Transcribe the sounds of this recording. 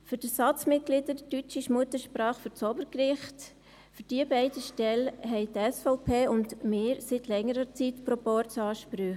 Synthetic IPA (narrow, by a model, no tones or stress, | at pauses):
fyɾd̥əsɑt͡smɪt̚ɡ̥lɪdədətyt͡ʃɪʃmuət̪əʃpɾɑːχfyɾt͡sɔbəɾkɾɪχt | fyɾd̥iəbɛɪdəʃtɛlɦɛɪtɛsfɔʊpʰeːʊndmɪːɾsitʰlɛŋəɾət͡sitpɾɔpɔɾt͡sɑːʃpɾyχ